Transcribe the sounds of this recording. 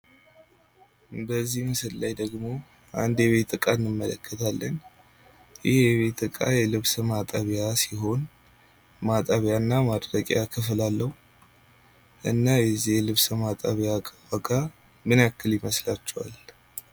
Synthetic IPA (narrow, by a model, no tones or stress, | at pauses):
bəzːihmɨsɨllajd̪əɡmo̞ | ʔa̰nd̪jɛβe̞t̪ʼɨkʼaɨnːɨmːələkʰːət̪ʰalːən | jɪhjjɛβe̞t̪ʼɨkʼajɛlɨβsəmat̪ʼəβjasiɦo̞n | mat̪ʼəβjanːamad̪ɾəkʼjakʰɨflalːəhu | ʔɨnːajɛzːihɛlɨβsəmat̪ʼəβjakʼəbəkʼa | mɨnjakːɨljɪməslat͡ʃːɛwa̰l